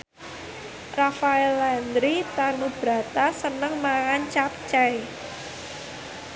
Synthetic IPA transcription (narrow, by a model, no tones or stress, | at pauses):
rafaɛlɛnd̪ɾit̪anub̥ɾa̤t̪asənəŋmaŋant͡ʃapt͡ʃɛj